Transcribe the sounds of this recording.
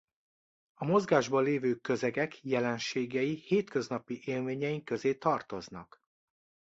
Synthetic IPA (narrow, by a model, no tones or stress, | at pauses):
ɒmo̞zɡaːʒbɒleːvøːkøzɛɡɛkjɛlɛnʃeːɡɛjiheːt̪kø̞znɒpiʔeːlmeːɲɛjiŋkø̞zeːt̪ɒrt̪o̞znɒk